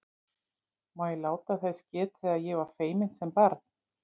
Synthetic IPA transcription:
maːjɛlaːwt̪aθɛscɛːt̪θɛðaðjɛvaɾ̥feːjmɪn̥t̪sɛmpaɾt

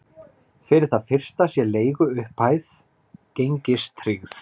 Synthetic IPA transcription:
fɪɾɪɾ̥θaðfɪr̥st̪asjɛleːjɣʏʏhpaːjθ | cejɲcɪst̪ʰɾɪɣθ

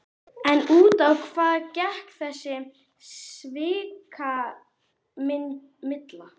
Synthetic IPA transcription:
ɛnuːt̪awkʰvaːðcɛhkθɛsːɪ | svɪːkʰa | mɪ | mɪt̪la

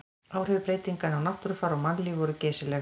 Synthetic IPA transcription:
aːwr̥ʏvʏpɾejt̪iŋkanawnaht̪ʏɾʏfaɾawmanlivɔɾʏcɛːsɪlɛ

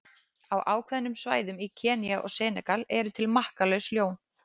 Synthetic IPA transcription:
awʔaːwkʰvɛðnːʏmsvaːjðʏmicʰɛːniaʔɔ̰ɣsɛːnɛkalɛɾʏt̪ʰɪlmahkalœɥsljoːwn

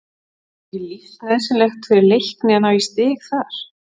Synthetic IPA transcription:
ɛlift̪nɛðsɛmlext̪fɪɾɪɾlejhknɪanawist̪ɪːxθaɾ̥

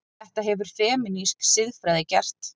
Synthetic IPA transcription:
ɛht̪aɦɛvʏɾ̥fɛːmɪnisksɪðfɾaːjðɪcɛr̥t̪

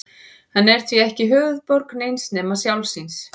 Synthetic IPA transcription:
hanːɛɾ̥t̪ʰviɛhcɪɦʏːvʏðpɔɾknejnsnɛːmasjawlsins

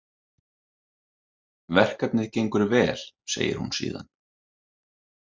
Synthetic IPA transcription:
vɛr̥kap̪nɪðcejŋkʏɾvɛːl̥ | sḛːjɪ̰ɾ̥hunsḭːða̰n

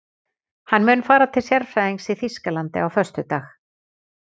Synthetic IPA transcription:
hanːmʏːnfaːɾat̪ʰɪlsjɛɾfɾajðiŋsiθiskalant̪ɪ̰awfœr̥st̪ʏt̪aːx

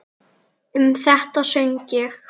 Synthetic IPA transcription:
ʏmθɛht̪asœɲcɪx

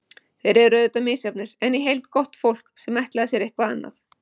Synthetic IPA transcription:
θejɾɛðrœːðɪt̪amɪːsjap̚nɪɾ̥ɛnːɪɦejlt̪kɔht̪fowl̥ksɛmɛjht̪lɛɣðasjɛɾehkvaanːa̰θ

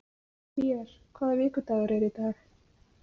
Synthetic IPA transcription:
mjɛɾ̥kʰvaːðavɪːkʏt̪aːɣaɾɛɾit̪aɾ̥

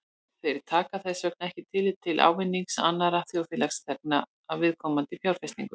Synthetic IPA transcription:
fɛɾɪɾ̥t̪ʰaːkaθɛsvœknɛhcɪt̪ʰɪlɪt̪ʰːɪlʔa̰ːwvɪnːiŋksa̰nːaɾaθjowfɪːlakst̪ʰɛk̚na | avɪðkʰɔːmant̪ɪfjawɾ̥fɛst̪ḭŋkʏ

